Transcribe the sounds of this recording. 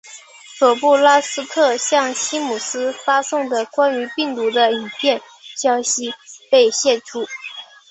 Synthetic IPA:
swɔ˨˩pu˥˩la˥sɹ̩˥tʰɤ˥˩ɕjɑ˥˩ŋɕi˥mu˨˩sɹ̩˥fa˥sʊ˥˩ŋd̪ə˩kwa˥ny˧˥pi˥˩ŋt̪u˧˥d̪ə˧i˨˩pʰjɛ˥˧n | ɕjɑ˥ʊɕi˥pe˥˧ɪɕjɛ˥˩ʈ͡ʂʰu˥

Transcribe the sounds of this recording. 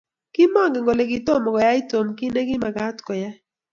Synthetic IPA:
kɪ˦mɔ˦˨ŋɡɛ˨ŋɡo˨le˨ɡɪ˨to˦˨mɔ˨kɔ˨ja˦ɪ˦to˨mkɪ˦ne˦ɡɪ˦ma˨ɡa˦tkɔ˨ja˦

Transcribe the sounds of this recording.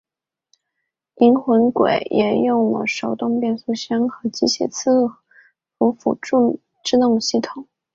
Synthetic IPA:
i˧˥nxwə˧˥nkwḛ˨˩˦ɪjʔɛ˨˩jʊ˥˩ŋwɔ̰˧˩ʂo˧˥ʊt̪ʊ˥˧ŋpjɛ˥˧nsu˥˩ɕɛ˥nxɤ˧˥t͡ɕi˧˥ɕjɛ̰˨˩t͡s̩ʰ˥˩ | fu˧˥fṵ˧˥˧ | ʈ͡ʂɻ̩˥˧t̪ʊ˥˧ŋɕi˥˩t̪ʰʊ˨˩˦

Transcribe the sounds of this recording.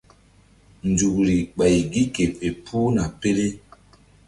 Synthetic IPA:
nd͡ʒu˨k̚ɾi˨ɡ͡ba˨jɡi˦ke˨fe˨pʰu˦na˨pe˦le˦

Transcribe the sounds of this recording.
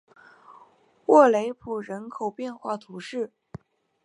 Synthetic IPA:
wɔ˥˩le˧˥ɪpʰu˨˩ɻə˧˥nkʰo˨˩ʊpjɛ˥˧nxwa˥˩t̪ʰu˧˥ʂɻ̩˥˩

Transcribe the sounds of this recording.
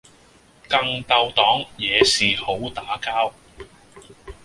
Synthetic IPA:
kɐ˧ŋt̪ɐ˧wt̪ɔː˨˥ŋjɛː˨˧siː˨ho˨˥wt̪aː˨˥kaː˥w

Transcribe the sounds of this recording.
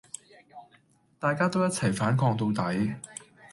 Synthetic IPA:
t̪aː˨˧jkaː˥t̪o˥wjɐ˥t̚t͡sʰɐ˨˩jfaː˨˥nkʰɔː˧ŋt̪o˧wt̪ɐ˨˥j

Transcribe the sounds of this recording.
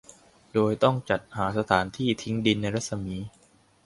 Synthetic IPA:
doː˧jt̪ɔ˥˩ŋt͡ɕa˨˩t̪̚haː˩˦sa˧t̪ʰaː˩˦nt̪ʰiː˥˩t̪ʰi˦˥ŋdi˧nːa˧jɾa˥t̪̚sa˧miː˦˥

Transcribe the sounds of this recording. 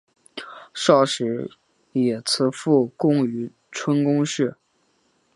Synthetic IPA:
ʂɑ˥˩ʊʂɻ̩˧˥ | jɛ˨˩t͡s̩ʰ˧˥fu˥˩kʊ˥ŋy˧˥ | ʈ͡ʂʰwə˥nkʊ˥ŋʂɻ̩˥˩

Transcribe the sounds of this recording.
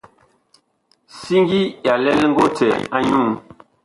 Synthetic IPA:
si˦ŋ˦ɡi˦ja˨lɛ˦lŋ̩˦ɡo˦tɛ̰˨a˦ɲu˦˨m

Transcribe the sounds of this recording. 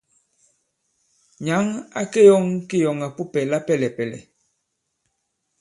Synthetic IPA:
ɲa˨˦ŋa̰˦ke˦jɔ˦ŋke˦jɔ˨ŋa˨pu˦pɛ˨la˦pɛ˦˨lɛ˨pɛ˨lɛ̰˨

